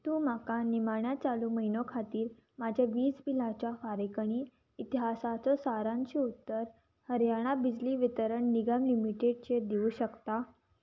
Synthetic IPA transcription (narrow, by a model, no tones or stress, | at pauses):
t̪ũːmakanimaɳjat͡saluːməɦinokʰat̪iːɾ | mad͡ʑʱjaʋiːsbil̤at͡ɕjafaɾekəɽ̃iː | t̪iɦasat͡sɔsaɾãɲt͡ɕiut̪ːəɾ | həɾjaɽ̃abid͡ʑliːʋit̪əɾəɳniɡamlimiʈeɽ̚t͡ɕed̪iuːɕəkt̪a